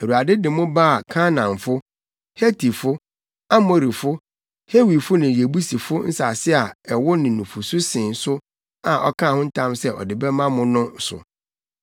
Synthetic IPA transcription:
e˨ɾu˨a˨dɪ˦dɪ˨mʊ̃˦ba˦a˨kʰa˦nã˨ɱfʊ˦ | he˦tʰi˨fʊ˦ | a˦mo˦ɾi˨fʊ˦ | he˦wi˨fʊ˦nɪ̃˨je˨bu˦si˨fʊ˦n̩˦sa˨sɪ˦a˨ɛ˨wʊ˦nɪ̃˨nũ˨fʊ˨sʊ˦sɪ̃˨n̩˨sʊ˦ | a˨ʔɔ˦kʰã˦˨hʊ̃˦n̩˦tʰã˦msɛ˦ʔɔ̰˨dɪ˨bɛ˦mã˦mʊ̃˦nʊ̃˦sʊ̰˨

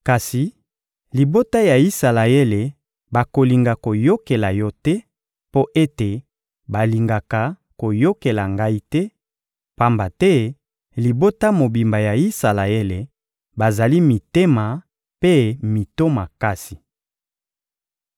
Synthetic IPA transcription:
ka˨si˨ | li˨bo˦ta˦ja˨i˦sa˨la˨e˦le˨ | ba˨ko˨li˨ŋɡa˨ko˨jo˦ke˨la˨jɔ˦tɛ˦ | po˦ʔe˦te˨ | ba˨li˨ŋɡa˨ka˨ | ko˨jo˦ke˨la˨ŋɡa˦i˦tɛ˦ | pa˦mba˨tɛ˦ | li˨bo˦ta˦mo˨bi˨mba˨ja˨i˦sa˨la˨e˦le˨ | ba˨za˨li˦mi˨te˦ma˨ | pe˦mi˨to˦ma˨ka˦si̥˨

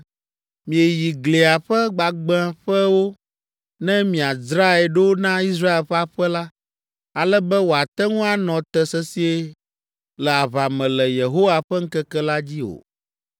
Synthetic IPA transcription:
mĩ˨e˨ji˨ɡle˨a˨ɸɛ˦ɡ͡ba˨ɡ͡b̃a˦˨ɸɛ˦wo˦ | nɛ̃˦mĩ˨a˨zɾa˦ɛ˨ɖe˦wo˦nã˦i˦s̬ɾa˦e˨lɸa˦ɸɛ˦la˦ | a˨lɛ˦bɛ˦wo˨a˨t̪ɛ˦ŋũ˦a˨nɔ̃˨t̪ɛ˨sɛ˦si˦e˦ | lɛ˨a˨βa˨mɛ̃˨lɛ˨je˨ɦo˦wa˨ɸɛ˦ŋ̩˦kɛ˦kɛ˦la˦d͡ʑi˦o̰˨

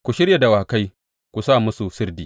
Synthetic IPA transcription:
kʷu˨ʃɪ˦ɾja˨da˨waː˨ka˦j | kʷu˨saː˦˨mʊ˦su˨sɪ˦rdiː˨

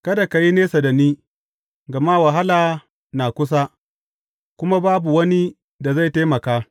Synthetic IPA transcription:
kɐ˦da˨ka˨ji˦neː˦sa˨da˨niː˦ | ɡɐ˨ma˦wɐ˨ɦa˦laː˨ | naː˨kʷʊ˦s̬a˦ | kʷʊ˦ma˦baː˦bu˨wɐ˦ni˦ | da˨za˦˨jteː˦mɐ˨kaː˦

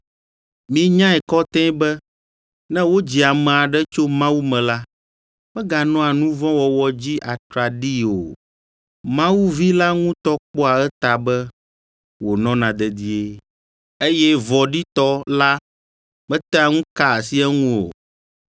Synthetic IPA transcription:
mĩ˦ɲã˦ɛ˨kɔ˦t̪ɛ̃˦bɛ˦ | nɛ̃˦wo˦d͡ʑi˨a˨mɛ̃˨a˨ɖɛ˦t͡ʃo˦mã˦wu˦mɛ̃˨la˦ | b̥ɛ˦ɡa˨nɔ̃˦a˨nũ˦vɔ̃˦wɔ˨wɔ˨d͡ʑi˦ʔa˨t̪ɾa˨ɖi˦o˨ | mã˦wu˦vi˦la˦ŋũ˦t̪ɔ˦k͡pɔ˦a˨ɛ˦t̪a˨bɛ˦ | wo˨nɔ̃˦nã˨d̪ɛ˨d̪i˦e˦ | e˦jɛ˦vɔ˨ɖi˦t̪ɔ˦la˦ | mɛ̃˦t̪ɛ˦a˨ŋũ˦ka˦˨si˦ɛ˦ŋũ˦o̰˨

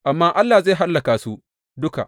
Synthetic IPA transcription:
ʔa˨mːaː˦ʔa˦lːaː˨zeː˦˨ɦa˦lːɐ˨kaː˨su˦ | dʊ˦ka̰˨ʔ

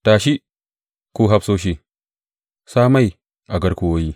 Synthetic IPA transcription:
taː˨ʃi˦ | kuː˦ɦa˦psoː˦ʃ̬i˦ | saː˦ma˦˨j | ʔa˨ɡɐ˦ɾkʷʊ˨woː˦jiː˦

